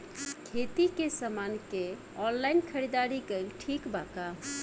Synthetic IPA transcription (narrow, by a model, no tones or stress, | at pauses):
kʰet̪ikesamanke | ɔnlaɪinkʰəɾid̪aɾikelʈʰikbaka